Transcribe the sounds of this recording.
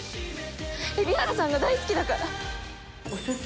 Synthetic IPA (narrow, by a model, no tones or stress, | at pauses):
ebʲiaɾasãŋɡad̪aisɨ̥kʲid̪akaɾa | osɨ